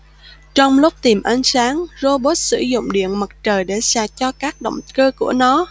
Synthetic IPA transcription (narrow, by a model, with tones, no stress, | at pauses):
t͡ɕɔ˧wŋ͡mlʊ˦˥k͡p̚t̪i˨˩mʔa˨˦jŋ̟saː˨˦ŋzo˧ɓo˦˥t̚sɨ̰˧˩zʊ̰˧˨ŋ͡mɗḭ˧˨ənmə˨˩t̚t͡ɕəː˨˩jɗe˧˩saː˧˩t͡ɕɔ˧kaː˦˥k̚ɗo̰˧˨wŋ͡mkəː˧ku˧˩ənɔ˨˦